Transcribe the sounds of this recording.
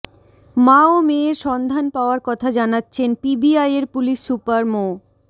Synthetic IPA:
maomeɾʃɔnd̪ʱanpaoaɾkɔt̪ʰad͡ʑanatːɕʰenpibiajeɾpuliʃːupaɾmo

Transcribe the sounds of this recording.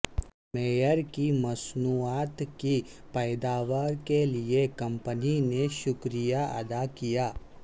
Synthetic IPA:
meːjəɾkimɐsnuːaːt̪kipəːd̪aːʋaːɾkeliekɐ̃mpənineʃʊkɾijaɐ̰d̪akijaː

